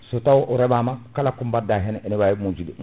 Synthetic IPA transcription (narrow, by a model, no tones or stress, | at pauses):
sotawʔuɾɛbamakalakumbadaɦɛnenibajmud͡ʒidi